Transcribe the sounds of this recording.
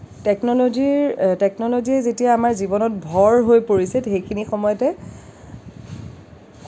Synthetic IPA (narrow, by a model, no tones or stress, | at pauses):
tɛknɔlodiɹtɛknɔloziɛzetijaːmaɹzibɔnɔt̚bʱɔɹɦojpoɹisɛxejkʰinixɔmɔjɔtɛ